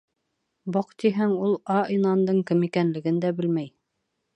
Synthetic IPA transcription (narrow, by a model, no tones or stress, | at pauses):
boqt̪iɦæŋulˠɑinɑnd̪ɤɴkɘmikænlɘ̆ɡɘnd̪æbɘlmæj